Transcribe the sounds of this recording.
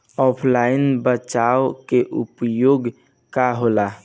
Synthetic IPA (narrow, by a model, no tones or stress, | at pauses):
ɔpʰlaɪinbət͡ʃaokeʔṵpjoɡ | kaɦola